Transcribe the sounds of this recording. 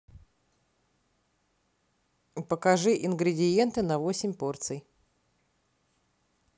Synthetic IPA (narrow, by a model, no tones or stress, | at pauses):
pəkɐʐɨʔɪnɡɾʲɪdʲɪje̞nt̪ɨnɐvosʲɪmʲpo̞rt̪sɨj